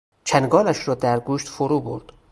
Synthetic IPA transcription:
t͡ʃʰænɡɒːlæʃɾɒːd̪æɾɡuːʃt̪foɾuːbo̰ɾd̪̥

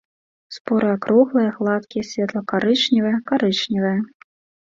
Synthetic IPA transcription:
spɔɾʔɨjakɾuɣlˠɨjɐɣlˠat̪kʲijɛsʲvʲɛt̪lˠɐkaɾɨt͡ʂnʲivɐjɐkaɾɨt͡ʂnʲivɐjɐ

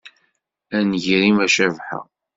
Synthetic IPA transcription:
ænʝɾimæʃævħə̰

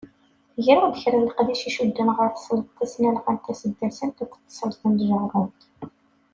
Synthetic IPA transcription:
ʝɾʊd̪əçɾənləqðiʃiʃud̪ːənʁəɾθə̥sˤlt̪t̪ːæsnælqənt̪æsəd̪ːæsənt̪ukʷːt̪ːə̥sˤəlt̪ˤənd̪ʒəʕrˤənt̪

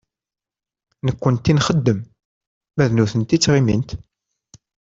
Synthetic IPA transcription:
nəkʷːənt̪ːinχəd̪ːəm | mæðnuθənt̪it͡sːʁimḭnt̪

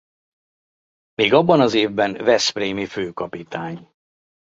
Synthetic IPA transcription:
meːɡɒbːɒnɒzeːvbɛnvɛspreːmiføːkɒpit̪aːɲ

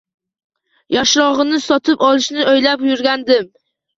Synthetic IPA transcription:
jaʃɾɒʁɨnɪsɒt̪ʰɪpɒlˠɪʃnɪojlapjʊɾɡʲand̪ɪm

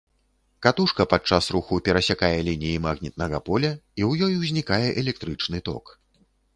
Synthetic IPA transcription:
kat̪uʂkɐpat͡ʂasɾuxupʲɛɾɐsʲakajɛlʲinʲijimaɣnʲit̪̚nɐɣɐpɔlʲɐiwjɔjwzʲnʲikajɛʔɛlʲɛk̚t̪ɾɨt͡ʂnɨt̪ɔ̰k

